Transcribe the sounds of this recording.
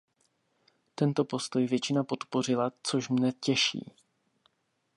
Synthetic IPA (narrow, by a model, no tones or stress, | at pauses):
t̪ɛnt̪o̞po̞st̪o̞jvjɛt͡ʃɪnapo̞t̪po̞r̝ɪlat͡so̞ʃmnɛcɛʃḭː